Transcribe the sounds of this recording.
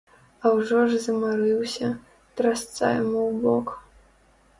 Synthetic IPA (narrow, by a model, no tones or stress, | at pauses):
awʐɔʐzɐmaɾɨwsʲɐ | t̪ɾast̪sa̰jmɨwbɔk